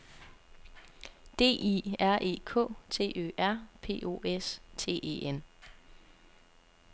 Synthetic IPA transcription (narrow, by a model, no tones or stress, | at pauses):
d̥e̝̰ːʔiæɐ̰ʔe̝ːkʰɔ̰̽ːt͡sʰe̝̰ːʔø̰ːʔæɐ̰pʰe̝̰ːʔo̝ːest͡sʰe̝̰ːʔḛʔen